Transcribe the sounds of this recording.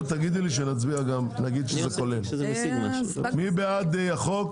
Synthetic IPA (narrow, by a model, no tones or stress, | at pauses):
t̪aɡid̪liʃ̬enat͡sbiaɡamnaɡid̪ʃezekolen | mibead̪ejaχok